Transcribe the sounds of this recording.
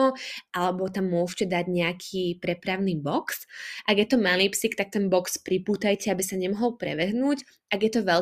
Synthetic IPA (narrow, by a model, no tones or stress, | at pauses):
ɔʔalɛbɔt̪amːʊɔʃcɛd̪aɟɲɛakʰiːpɾɛpɾaʊniːbɔksʔaɡjɛt̪ɔmaliːpsikt̪ak̚t̪ɛnbɔkspɾipuːt̪ajcɛabisaɲɛmɔɦɔlpɾɛ̰ʋɛɦnuːc | ʔaɡjɛt̪ɔʋɛl